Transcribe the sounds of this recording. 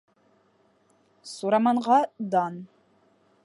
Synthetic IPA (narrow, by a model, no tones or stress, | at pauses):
suɾɑmɑɴʁɑd̪ɑn